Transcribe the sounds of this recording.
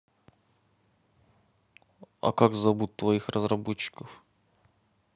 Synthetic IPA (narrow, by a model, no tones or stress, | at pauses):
ɐ̰kakzɐbut̪ːvɐixrəzrɐbɔt͡ɕːɪ̥kəf